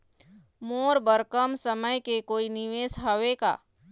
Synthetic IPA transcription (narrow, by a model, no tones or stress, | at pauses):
moːɾbəɾkəmsəməjkekoːinɪʋeːsɦəʋeka̰ː